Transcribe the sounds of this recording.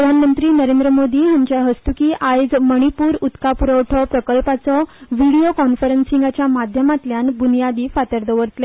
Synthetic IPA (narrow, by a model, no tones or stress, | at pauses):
ɾəd̪ʱanmənt̪ɾiːnəɾend̪ɾəmod̪iːɦaɲt͡ɕjaɦəst̪ukiːʔajd͡zməɽ̃ipuːɾut̪kapuɾəwʈʰɔpɾəkəlpat͡sɔʋiɽiokɔnfəɾənsĩŋɡat͡ɕjamad̪ʱjəmat̪ljanbunijad̪iːfat̪əɾd̪ʱəʋəɾt̪le